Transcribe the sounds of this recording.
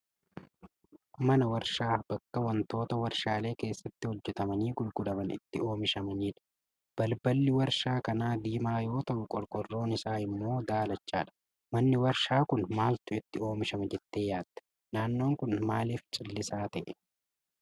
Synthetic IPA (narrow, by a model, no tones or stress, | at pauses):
mɐnɐwɐɾʃaːb̥ɐkːɐwɐnt̪o̞ːt̪ɐwɐɾʃaːle̞ːke̞ːsːɐt̪ːɪhɔd͡ʒːɛt̪ɐmɐniːɡʊlɡʊd̪ɐmɐnɪ̰t̪ːɪo̞ːmɪʃɐmɐniːᶑɐ̥ | b̥ɐlbɐlːɪwɐɾʃaːkɐnaːd̪iːmaːjo̞ːt̪ɐʔʊkʼɔɾkʼɔrːo̞ːnɪsaːɪmːo̞ːd̪aːlɐt͡ʃːaːᶑɐ̥ | mɐnːɪwɐɾʃaːkʊnmaːlt̪ʊɪt̪ːɪo̞ːmɪʃɐmɐd͡ʒɛt̪ːe̞ːjaːd̪ːɛ̥ | naːnːo̞ːŋkʊnmaːliːft͡ʃʼɪlːɪsaːt̪ɐʔɛ̥